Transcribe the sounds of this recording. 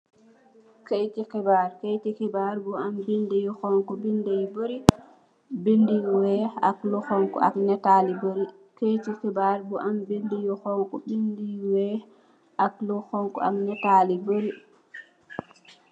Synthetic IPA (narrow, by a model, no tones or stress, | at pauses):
kejtikɛbaɾkejtikɛbaɾbuambindɛjɔxɔŋkɔbindejboɾi | bindiwɛa̰klɔxɔŋkɔ̰a̰knɛtaliboɾi | kejtikɛbaɾbuʔambindɛjɔhɔŋkɔbindiwɛ | ʔaklɔxɔŋkɔ̰a̰knɛtaliboɾi